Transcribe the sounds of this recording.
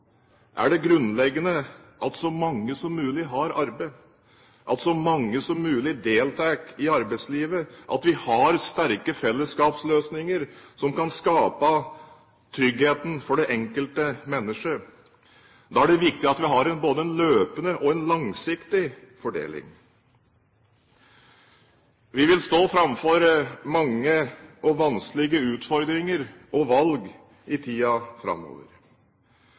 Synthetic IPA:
ʔæ̰ɖɛɡɾʉnːlɛɡːənəʔɑlt̪sɔmɑŋːəsɔmːʉːlɪɦɑɾɑɾbə | ʔɑ̰lt̪sɔmɑŋːəsɔmːʉːlɪd̪eːlt̪ʰɑːkɪɑɾbæɪt̪sliːʋəʔɑt̪ʋɪhɑɾst̪æɾkəfɛlːəskɑːpsløːsnɪŋəɾsɔmkɑnskɑːpə | t̪ʰɾʏɡheːt̪n̩fɔɖɛʔɛŋkəlt̪əmɛnːəʂə | d̪ɑːæɖɛʋɪkt̪ɪɑt̪ʋɪɦɑɾɛnboːd̪əɛnløːpənəʔɔɛnlɑŋsɪkt̪ɪfɔɖḛːlɪ̰ŋ | ʋɪʋɪlst̪oːfɾɑmfɔɾmɑŋːəɔʋɑnsklɪɡəʉːt̪fɔɾd̪ɾɪŋəɾɔʋɑlɡ | ɪt̪ʰiːɑfɾɑ̰mːo̰ːʋə̰ɾ

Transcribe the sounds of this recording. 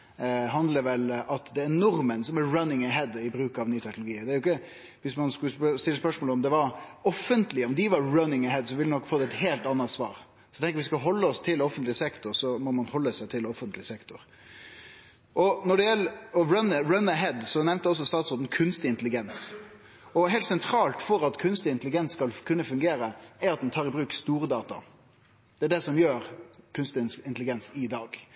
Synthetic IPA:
ɦɑnd̪ləʋɛlɑt̪d̪ɛːɾnɔɾmənsɔmæɹɑnɪŋɛɦɛd̪ɪbɾʉːkɑʋnyːt̪ʰɛknʊlʊɡiːd̪ɛæɾʊɪkːə | ʋɪsmɑnskʉst̪ɪlːəspœʂmoːlɔmd̪ɛʋɑɾɔfːənt̪lɪəɔmd̪ɪʋɑɾɹœnɪŋɛɦɛd̪sɔʋɪlɛnɔkːfoːd̪ɛt̪heːlt̪ɑnːət̪sʋɑ̰ːɾ | sɔjɛt̪ʰɛŋkəɾʋɪskɑɦɔlːəɔst̪ʰɪlɔfənt̪lɪsɛkt̪ʊɾsɔmɔmɑnhɔlːəsæɪt̪ʰɪlɔfənt̪lɪsɛkt̪ʊɾ | ʔɔnɔɖɛjɛlːɔɾɑnəɾɑnəɦɛd̪sɔnɛʋnt̪əɔs̬ːɔst̪ɑːt̪soːd̪n̩kʰʉnst̪ɪɪnt̪əlɪɡɛns | ɔɦɛːlsɛnt̪ʰɾɑːlt̪fɔɾɑt̪kʰʉnst̪ɪɪnt̪əlɪɡɛnskɑlkʰʉnːəfʉŋɡeːɾəæɾɑt̪̚d̪ɛnt̪ʰɑːɾɪbɾʉːkst̪uːɾəd̪ɑːt̪ɑ̰ | d̪̥ɛæɖɛsɔmjøːɾkʰʉnst̪ɪnt̪lɪɡɛnsɪd̪ɑːɡ

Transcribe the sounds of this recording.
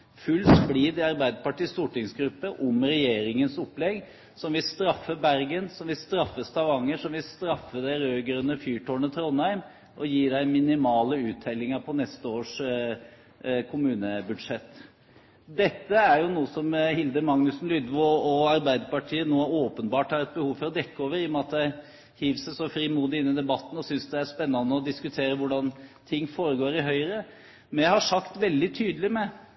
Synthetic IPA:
fʉlːspliːd̪ɑɾbæɪd̪əpɑʈiːst̪uːʈɪŋsɡɾʉpːəʔɔmɾɛjeːɾɪŋənsɔpːlɛɡ | sɔmʋɪlst̪ɾɑfːəbæɾɡənsɔmʋɪlst̪ɾɑfːəst̪ʰɑʋɑŋːəʂɔmʋɪlst̪ɾɑfːəd̪æɪɾøːɡɾœnːəfyːʈʰoːɳət̪ʰɾɔnæɪm | ʔɔjiːɖæɪmɪnɪmɑːləʉːt̪ʰːɛlːɪŋəpʰɔnɛst̪əoːʂ | kʰʊmʉːnəbʉd̪ʂɛt̪ː | d̪ɛt̪ːəæɾjʊnuːəsɔmhɪld̪əmɑŋnʉsn̩lʏd̪ʋoɔɑɾbæɪd̪əɾpɑʈʰiːənoːoːpənbɑːʈhɑːɾɛt̪̚bəhuːʋfɔɾɔd̪ɛkːəoːʋəɾɪmɑt̪̚d̪æɪ | hiːʋssɔfɾimuːd̪ɪɪnːɪd̪ɛbɑt̪ːn̩ɔsʏnsd̪ɛæʂpɛnːɑnːəɔd̪ɪskʉt̪ʰeːɾəʋʊɖɑnt̪ʰɪŋːfoːɾəɡoːɾɪɦœʏɾə | mɛnjæhɑʂɑkt̪ʋɛld̪ɪt̪ʰyːd̪əlɪmɛ

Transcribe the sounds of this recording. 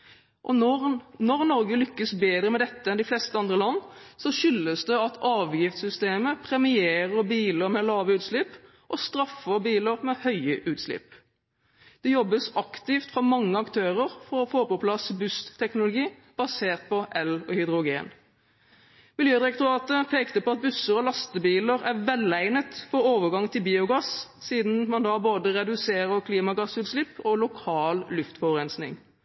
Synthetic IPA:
ʔɔnɔʁnɔɾɡəlʏkːəsbeːd̪ɾəmɛd̪ɛt̪ːəɛnd̪ɪflɛst̪əɑnd̪ʁəlɑnːsɔʃʏlːəsd̪ɛɑt̪ʰɑːʋjɪft̪sʏst̪eːməpʰʁɛmɪeːʁəɾbiːləɾmɛlɑːʋəʉːt̪slɪpː | ʔɔst̪ɾɑfːəbiːləʁmɛhœʏəʔʉːt̪slɪ̰pː | d̪̥ɛjɔbːəsɑkt̪ɪft̪fʁɑmɑŋːəɑkt̪ʰøːʁəʁfɔɔfoːpɔpʰlɑsbʉst̪ʰːɛknʊlʊɡiː | b̥ɑseːʁt̪̚pʰɔʔɛlɔhʏd̪ɾʊɡeːn | mɪljøːd̪ɪɾɛk̚t̪ʊɾɑːt̪əpʰeːkt̪əpɔɑt̪̚bʉsəɾɔlɑst̪əbiːləɾæʋɛlæɪnət̪fɔɾoːʋəɡɑŋt̪ʰɪlbiːʊɡɑssiːd̪n̩mɑnd̪ɑːboːd̪əʁɛd̪ʉseːʁəʁkʰliːmɑɡɑsʉːt̪slɪpːɔlʊkʰɑːllʉft̪fɔʋəʁɛnsnɪ̰ŋ

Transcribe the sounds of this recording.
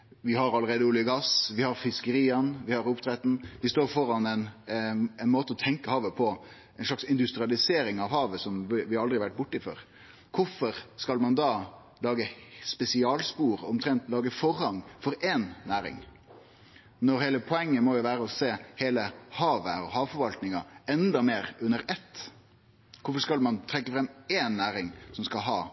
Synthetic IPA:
ʋɪhɑɾɑlːəɾeːd̪əʊːlɪəɡɑsʋɪhɑɾfɪskəɾiːɑnʋɪhɑɾʊpt̪ʰɾɛt̪n̩ʋɪst̪oːɾfɔɾɑnɛn | ɛɪnmoːt̪əɔt̪ʰɛŋkəhɑːʋəpʰɔ | ɛɪnʂɭɑksɪnd̪ʉst̪ɾɪɑlɪseːɾɪŋɑʋhɑːʋəsɔmɪʋɪhɑɾɑld̪ɾɪʋæʈ̚ːbʊʈːəɪfø̰ɾ | kʰʊfɔɾskɑlmɑnd̪ɑː | lɑːɡəspɛsɪɑːlspuːɾɔmt̪ʰɾɛnt̪lɑːɡəfɔɾhɑŋfɔɾɛnːæːɾɪ̰ŋ | nɔɾheːləpʰɔɛŋːəmɔjʊʋæːɾəɔseːheːləhɑːʋəɔhɑːʋfɔɾʋɑlt̪nɪŋɑɛnd̪ɑmeːɾʉnːəɾɛt̪ː | kʰʊfɔskɑlmɑnt̪ʰɾɛkːəfɾɛmːeːnːæːɾɪŋsɔmskɑlɦɑː

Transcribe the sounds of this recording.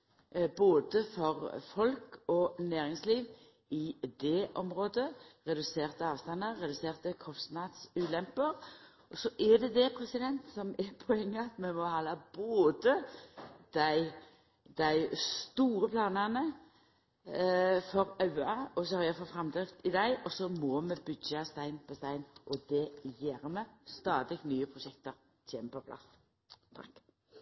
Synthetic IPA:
boːd̪əfɔʁfɔlkɔnæːɾɪŋsliːʋ | ɪd̪ɛʔɔmʁoːd̪əʁɛd̪ʉseːʁt̪əɑːʋst̪ɑnəʁɛd̪ʉseːʁt̪əkʰɔst̪nɑd̪sʉːlɛmpəɾ | ɔsɔʔɛd̪ɛd̪ɛpʰɾɛsɪd̪ɛnt̪sɔmɛpʰɔɛŋːəɑt̪mɛmɔhɑlɑb̥oːd̪ə | d̪̥æɪ | d̪̥æɪst̪uːɾəpʰlɑːnɑnə | fɔɾɑʉɑɔsɔhɑɾjæɪfɔfɾɑmd̪ɾɪft̪ɪd̪æɪʔɔsɔmɔmɛbʏdɑst̪æɪnpʰɔst̪æɪnʔɔd̪ɛjæːɾmɛst̪ɑːd̪ɪknyːəpʰʁʊʃɛkt̪əɾ | tʰeːməpɔpʰlɑ̰s | t̪ʰɑk

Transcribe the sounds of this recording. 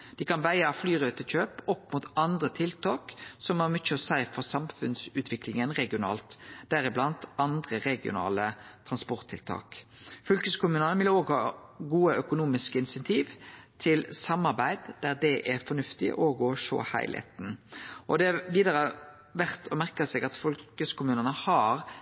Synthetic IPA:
d̪̥ɪkʰɑnʋæɪəflyːʁøːt̪əc͡çøːpɔpːmuːt̪ɑnd̪ʁət̪ʰɪlt̪ʰɑːksɔmɑmʏt͡ʃːəɔsæɪfɔʁsɑmfʉnsʉːt̪ʰʋɪklɪŋənʁɛɡɪʊnɑ̰ːlt̪d̪̥æʁɪblɑnt̪ɑnd̪ʁəʁɛɡɪʊ̰nɑ̰ːlət̪ʰʁɑnspɔʁt̪ʰːɪlt̪ʰɑ̰ːkfʏlkəskʊmʉnɑnəʋɪləoːɡhɑːɡuːəœkʊnuːmɪskəɪnsɛnt̪ʰiːʋt̪ʰɪlsɑmːɑʁbæɪd̪d̪̥æʁd̪ɛʔɛɾfɔnʉft̪ɪ̰ʔɔɡɔʂo̰ːhæ̰ɪlhḛːt̪n̩ʔɔd̪ɛæʋiːd̪ɑʁə | ʋæʁt̪ʰɔmæʁkəsɛɡɑt̪fɔlkəskʊmʉːnənəhɑɾ

